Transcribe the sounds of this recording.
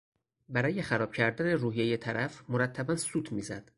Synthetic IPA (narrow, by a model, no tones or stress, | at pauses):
bæɾɒːje̞xæɾɒːb̥̚cʰæɾd̪æne̞ɾuːɦijejet̪ʰæɾæfmoɾæt̪ʰːæbænsuːt̪ʰmiːzæ̰d̪̥